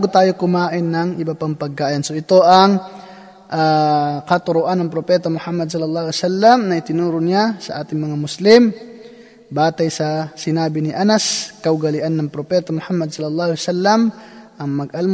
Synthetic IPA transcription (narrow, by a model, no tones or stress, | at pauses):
ɡʊt̪aːjokʊmaːʔɪnːɐŋʔɪbɐpaŋpɐɡ̚kːaːʔɪnsoʔɪt̪oʔɐŋ | ʔakɐt̪ʊɾʊʔanːɐŋpɾopɛːt̪amʊhamːɐd̪sɐlːɐlˠˤːɑːhlsalːɐmnɐɪt̪ɪnuːɾʊnɪasɐʔaːt̪ɪŋmɐŋamʊslɪm | baːt̪ajsɐsɪnaːbinɪʔanɐskɐʊɡɐlɪʔanːɐŋpɾopɛːt̪amʊhamːɐd̪̚sɐlːɐlˠˤːɑːhʊlsalːɐmʔɐŋmɐɡ̚ʔalm